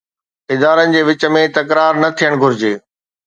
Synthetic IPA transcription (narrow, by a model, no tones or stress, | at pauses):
ɪd̪aːɾənɪ̆d͡ʑeːʋɪt͡ɕə̆mẽt̪ɐkɾaːɾnɐt̪ʰijəɽ̃ɡʱʊɾɪd͡ʑeː